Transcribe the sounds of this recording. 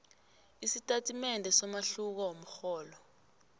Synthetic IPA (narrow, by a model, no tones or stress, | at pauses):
isitʼatʰʼimɛndʱɛsɔmaɬuk̬awom̩xɔːlɔ